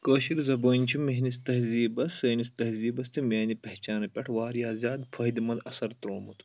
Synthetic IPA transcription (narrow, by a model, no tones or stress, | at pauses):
koʃiɾzɐboːnʲt͡ʃʰimeɦnist̪ɐɦziːbɐsɐːnist̪ɐɦziːbɐst̪imʲeːnipɐht͡ʃaːnɐpʲɐʈʰwaːɾjaːzjaːd̪pʰɐɦid̪imɐld̪ɐsɐɾt̪ɾoːmut̪u̥